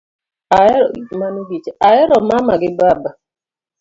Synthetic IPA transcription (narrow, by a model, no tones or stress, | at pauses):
aɛmaniɡit͡ʃeaɛɾɔmamaɡɪbaba